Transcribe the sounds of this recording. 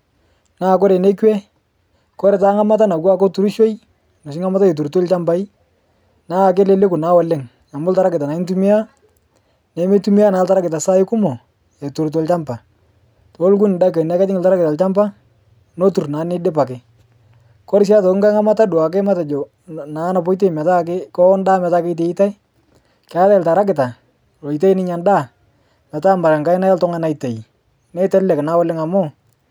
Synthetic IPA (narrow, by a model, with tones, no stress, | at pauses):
naː˦˨k̬ɔ˦ɾe˨ne˦kwɛ˦ | kɔ˦ɾe˨taː˦ŋa˦ma˦ta˦na˨kwa˦ko˦tu˦ɾu˦ʃo˦j | no˨s̬ɪ˦ŋa˦ma˦ta˦je˨t̬u˨ɾto˦lt͡ʃa˦mba˦i˦ | naː˦˨k̬e˦le˦le˦kʊ˨na˦wa˨˦le˦ŋ | a˨mʊ˦ltaɾa˦kɪ˨ta˨na˨ɪ˦n˦tu˦mi˦a˦ | ne˨˦me˦tu˦mi˦a˦naː˨˦ltaɾa˦kɪ˨t̬a˨sa˦ɪ˦kʊ˦mɔ˨ | e˨tu˨ɾt̬o˨lt͡ʃa˦mpa˨ | to˨˦lk̬u˦nɪ˨da˦ke˨n˨a˦ka˦tɪ˦ŋɪ˨ltaɾa˦kɪ˨ta˨lt͡ʃa˦mpa˦ | no˦tu˨rnaː˨˦nɪ˦dɪ˦pa˨kɪ˦ | kɔ˦ɾɪ˦s̬a˦tɔ˨kŋka˦ŋa˦ma˦ta˦dʊ˨a˨k̬ɪ˦ma˦ta˨d͡ʒɔ˨ | naː˨˦na˨po˦jt̬e˦˨mɛ˨ta˦kɪ˦kɔ˦nda˦mɛ˨ta˦kɪ˦t̬e˨i˦ta˦ɪ˦ | ka˦ta˦ɪ˨lta˨ɾa˦k̬ɪ˨ta˨ | ro˨i˨te˦jnɪ˦ɲa˨nda˦˨ | mɛ˨ta˦mba˨ɾa˨ŋka˦jna˦ja˦ltɔ˦ŋa˦na˨ite˨i˨ | nɛ˦tɛ˦llɛ˨kna˦wɔ˦lɪ˦ŋa˨mɔ˦˨